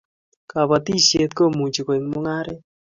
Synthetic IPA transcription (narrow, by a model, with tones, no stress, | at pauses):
ka˨ba˨t̪i˦se˧t̪̚ko˦˨mu˨d͡ʒi˨kwe˨ŋmo˦ŋa˦ɾɛ˦